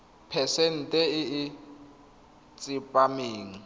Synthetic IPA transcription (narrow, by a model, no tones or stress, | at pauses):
pʰɛsɛn̩tʼɛɪː | t͡sʼipʼameːŋ̩